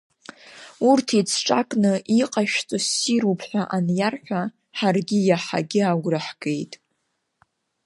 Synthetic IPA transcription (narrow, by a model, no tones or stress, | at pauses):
urtʰit͡sʰʈ͡ʂʼakʼnɨʔiqʼaʃᶣt͡sʼɨsiɾupʰħʷᶣaʔanjarħʷᶣa | ħarɡʲɪjaħa̰ɡʲɪaɡʷrɨħɡ̥e̞jtʼ